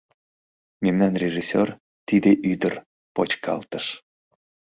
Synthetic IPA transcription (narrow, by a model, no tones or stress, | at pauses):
memnænrʲeʒisʲør | t̪id̪eʔyd̪ər | pot͡ɕkʰɑ̰lt̪əʃ